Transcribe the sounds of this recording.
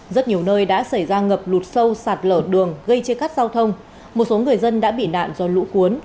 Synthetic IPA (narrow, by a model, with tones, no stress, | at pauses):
zə˦˥t̚ɲi˨˩əwnəː˧jɗa̰ː˧˥sa˧˩jzaː˧ŋə˨˩p̚lu˨˩t̚sə˧wsaː˨˩t̚ləː˧˩ɗɨ˨˩əŋɣə˧jt͡ɕe˧nka˦˥k̚zaː˧wt̪ʰə˧wŋ͡m | mo˨˩t̚so˨˦ŋɨ˨˩əjzə˧nɗa̰ː˧˥ɓḭ˧˨na̰ː˧˨nzɔ˧lṵ˧˥ku˨˦ən